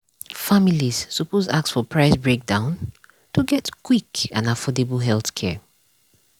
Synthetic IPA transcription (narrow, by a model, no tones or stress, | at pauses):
familiz̥supozaktsfɔpʰɹaɪsbɹek̚dãʊ̃n | tʰuɡɛtkʰwikãnafɔdebəlɦɛlθkʰɛ